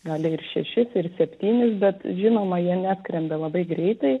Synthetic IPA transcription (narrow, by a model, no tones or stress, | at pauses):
ɡɑːlʲɪɪɾʃʲɛʃʲɪsɪrsʲɛpʲt̪ʲiːnʲɪsbʲɛt̪ʒʲɪnoːmɐjiɛnʲæːsʲkɾʲɛnd̪ɐlˠɐbɐɪɡɾʲɛɪt̪ɐɪ